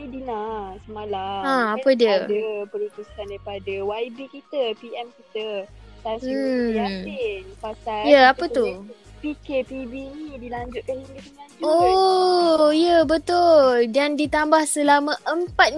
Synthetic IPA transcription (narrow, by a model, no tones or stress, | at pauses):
idinasəmalaãapədiədəpəlik̪usandaɾipadawaibikit̪əpiɛmkit̪ət̪au | inpasajaapət̪upikepibinidilaɲd͡ʒʊt̪̚kaniɡəsənão | ijəbət̪ʊldandit̪ambahsəlamə̃ʔəmpat̪̚